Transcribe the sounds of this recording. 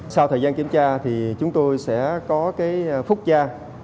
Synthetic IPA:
saː˧wt̪ʰəː˨˩jzaː˧nki˧˩əmt͡ɕaː˧t̪ʰi˨˩t͡ɕʊ˨˦ŋ͡mt̪o˧jsɛ̰˧˥kɔ˨˦kaː˨˦jfʊ˦˥k͡p̚t͡ɕaː˧

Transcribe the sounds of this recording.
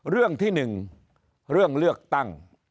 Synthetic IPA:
ɾɯ˥˩əŋt̪ʰiː˥˩nɯ˨˩ŋ | ɾɯ˥˩əŋlɯ˥˩ək̚t̪a˥˩ŋ

